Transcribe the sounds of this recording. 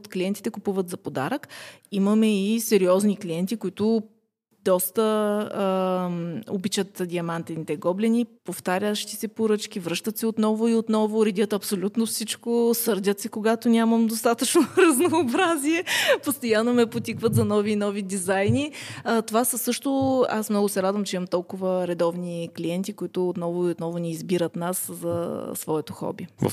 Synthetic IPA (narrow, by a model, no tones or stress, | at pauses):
t̪klʲiɛnt̪it̪ɛkupuvət̪zɐpod̪a̰ɾəkiməmɛisɛɾiɔznikliɛnt̪ikoit̪ʊ | d̪ɔst̪ə | obit͡ʃət̪d̪iɐmant̪ɛnit̪ɛɡɔblɛnipoft̪aɾʲəʃt̪i̥sɛpoɾɤt͡ʃk̟ivɾɤʃt̪ət̪sɛot̪nɔvʊiot̪nɔvʊɾɛd̪ʲət̪ɐpsolʲut̪nofsit͡ʃkosɤɾd̪ʲət̪sɛkoɡat̪ʊnʲaməmd̪ost̪at̪ət͡ʃnoɾɐznoːbɾaziɛpost̪ojanːomɛpot̪ʲikvət̪zɐnɔvinɔvid̪izajniət̪ovasəsɤʃt̪ʊa̰smnɔɡʊsɛɾad̪vəmt͡ʃɛimɐmt̪ɔlˠkʊvəɾɛd̪ɔvnikliɛnt̪ikoit̪ʊːt̪nɔvʊiot̪nɔvʊniːzbiɾət̪naszɐsvɔɛt̪oxɔ̰bivə̰